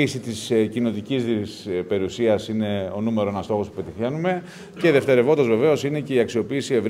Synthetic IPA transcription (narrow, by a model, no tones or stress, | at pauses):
isit̪iscino̞t̪icizispe̞ɾiusiɐsine̞o̞nume̞ɾoenɐst̪o̞xo̞spu̥pe̞t̪iθçenume̞ | ceðe̞ft̪e̞ɾe̞vo̞nd̪ɐzve̞ve̞o̞sine̞ce̞iɐksio̞piːsie̞vɾ